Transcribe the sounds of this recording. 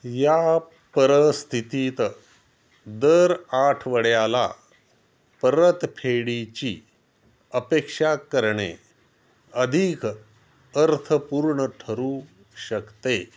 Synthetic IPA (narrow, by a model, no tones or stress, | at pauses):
ja | pəɾəst̪ʰit̪iːt̪ | d̪əɾaʈʰʋəɽjala̰ | pəɾət̪pʰeɽit͡ɕiː | əpekʂakəɾɳḛ | əd̪ʱik | əɾt̪ʰəpuːɾɳəʈʰəɾuː | ɕəkt̪e